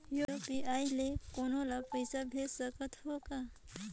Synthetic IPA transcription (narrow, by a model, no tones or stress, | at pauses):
juɾopiaːjlekoːnõlapəjsabʱesəkət̪ɦoːka